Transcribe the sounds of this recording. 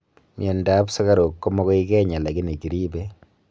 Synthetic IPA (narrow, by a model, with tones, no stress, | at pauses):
mjɛ˨nda˨˦psa˦ka˦ɾo˨kːɔ˦mɔ˦kɔ˦i˦kɛ˦ɲa˨la˨ki˦ne˨ki˨ɾi˦be˦